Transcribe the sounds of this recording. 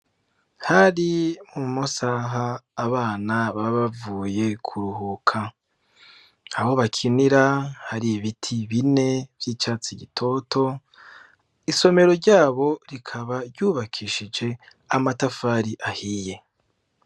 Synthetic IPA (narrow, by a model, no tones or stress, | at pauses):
haɾimumosaɦaːβaːnaβaβavuːje̞kʰuɾuhuːkʰa | aβo̞βakʰiniɾahaɾijβitʰiβine̞vjiːt͡ʃaːt͡siɟitʰo̞tʰo̞ | iso̞me̞ɾo̞ɾɟaːβo̞ɾikʰaβaɾɟuːβakʰiʃid͡ʒe̞ | amatafaːɾiʔahiːje̞